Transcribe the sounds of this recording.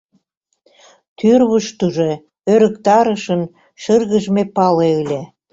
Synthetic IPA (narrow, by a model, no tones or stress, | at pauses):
t̪yrβəʃt̪uʒe | øɾə̆kt̪ɑɾəʃən | ʃərɣəʒmepɑleɯlʲe